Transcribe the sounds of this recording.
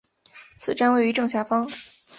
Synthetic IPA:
t͡sʰɹ̩˨˩ʈ͡ʂa˥nwe˥˩ɪy˧˥ʈ͡ʂɤ˥˧ŋɕja˥˩fɑ˥ŋ

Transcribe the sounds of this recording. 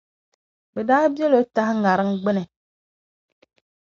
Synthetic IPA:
bɛ˨daː˦bi˦ɛ˦lo˦ta˦hŋa˨ɾɨ˦ŋɡ͡bɪ˦nɨ˨

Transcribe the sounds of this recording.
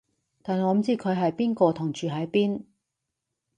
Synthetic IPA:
t̪aː˨nɔː˨˧m̩˨˩˦t͡siː˥kʰɵ˨˧ɥɦɐ˨jpiː˥nkɔː˧t̪ʰʊ˨˩ŋt͡ʃyː˨ɦɐ˨˥jpiː˥n

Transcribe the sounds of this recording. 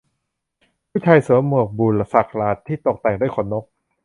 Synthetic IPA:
pʰuː˥˨t͡ɕʰa˧jsɯ˨˩˦mu˨˩ək̚buː˨˩nla˧sa˨˩k̚ʰlaː˧˦t̪ʰːiː˥˩t̪o˨˩k̚t̪ɛː˨˩ŋ̚du˥˩˨jkʰɔː˨˩˦nːo˦˥k̚

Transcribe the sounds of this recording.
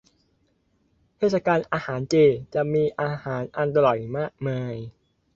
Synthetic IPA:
t̪ʰeː˥˩t̪̚sa˧kaː˧nʔaː˧haː˩˦nt͡ɕeː˧˩t͡ɕa˨˩ʔmiː˧ʔaː˧haː˩˦nʔa˧nt̪a˧lɔ˨˩jmaː˥˩k̚maː˧j

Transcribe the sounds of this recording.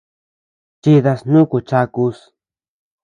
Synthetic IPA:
t͡ʃi˧ða˧snũ˦ku˨t͡ʃa˧ku˧s

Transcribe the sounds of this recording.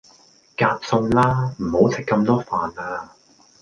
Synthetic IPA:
kaː˧t̚sʊ˧ŋlaː˥m̩˨˩ho˨˥wt͡sʰɪ˨kːɐ˧mt̪ɔː˥faː˨naː˧

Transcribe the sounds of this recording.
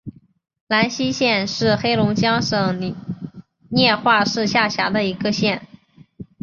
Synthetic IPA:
la˧˥nɕi˥ɕjɛ˥˧nʂɻ̩˥˩xe˥ɪlʊ˧˥ŋt͡ɕjɑ˥ŋʂɤ˨˩ŋ˧˨ | njɛ˥˧xwa˥˧ʂɻ̩˥˧ɕja˥˩ɕja̰˧˥d̪ə˧i˧˥ɡə˧ɕjɛ˥˩n

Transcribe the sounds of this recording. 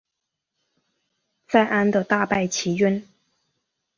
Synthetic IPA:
t͡sa˥˩ɪʔa˥nd̪ə˨t̪a˥˧pa˥˩ɪt͡ɕʰi˧˥ɥɛ˥n

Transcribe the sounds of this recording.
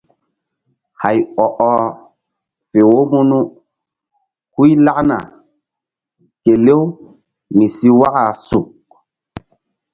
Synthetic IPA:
ha˨jɔ˨ʔɔ˦ | fe˨wo˦mu˦nu˦ | ku˦jla˦kna̰˨ | ke˨le˦w | mi˨si˦wa˦ka˨su˨k̚

